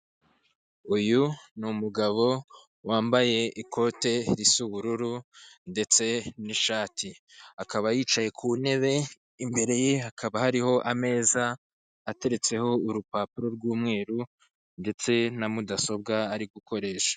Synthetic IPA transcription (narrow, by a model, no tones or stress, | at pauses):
ujunumuɡaβo̞ | waːmbaje̞ʔikʰo̞te̞ɾisuβuɾuɾunde̞t͡se̞niʃaːtʰi | akaβajiːt͡ʃaje̞kʰuːne̞βe̞ | imbe̞ɾe̞jeakʰaβahaɾiho̞ʔame̞ːzaː | te̞ɾe̞t͡se̞ho̞uɾupapuɾo̞ɾɡwuːmŋe̞ːɾu | nde̞t͡se̞namudaso̞bɡaːɾiɡukʰo̞ɾe̞ːʃḁ